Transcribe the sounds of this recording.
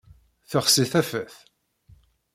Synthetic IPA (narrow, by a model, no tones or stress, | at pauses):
θəχsiθæfæθ